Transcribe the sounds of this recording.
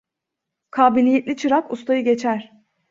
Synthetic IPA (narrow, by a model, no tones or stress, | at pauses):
kʰaːbilʲijet̪lʲit͡ʃʰɯɾakust̪ʰajɯɟe̞t͡ʃʰæɾ̥